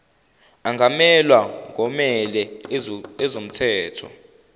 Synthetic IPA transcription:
aŋɡʱamɛlwaŋɡʱɔmɛlɛ | ɛzom̩tʰɛːtʰɔ̰

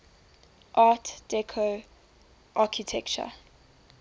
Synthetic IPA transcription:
ʔaːtd̥ɛkʰo | ʔaːkʰitʰɛkt͡ʃə̰

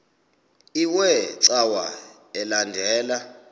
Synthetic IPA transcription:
iwɛǀawa | ɛlandʱɛːla

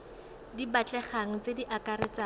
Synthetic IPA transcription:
dibat͡ɬʼɛχaŋ̩t͡sediʔakaɾɪt͡sa

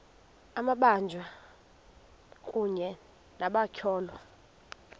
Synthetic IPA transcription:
amaɓand͡ʒʱwa | kʼuɲɛ | naɓakʰɔːlwa

